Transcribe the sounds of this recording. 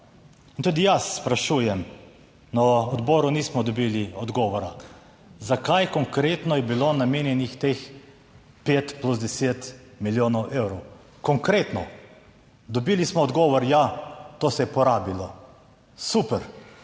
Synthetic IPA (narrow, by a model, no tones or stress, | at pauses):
int̪ud̪ijasːpɾaʃuːjɛm | nɔɔd̪bɔːɾuniːsmɔd̪ɔbiːliɔd̪ɡɔːʋɔɾa | zakajkɔŋkɾeːt̪nɔjɛbilonameːnjɛnixt̪ex | peːt̪pluzd̪ɛseːt̪miljoːnɔwʔewɾɔw | kɔŋkɾeːt̪nɔ̰ | d̪ɔbilismɔɔd̪ɡɔːʋɔɾjat̪oːsɛjɛpɔɾaːbilɔ | supɛɾ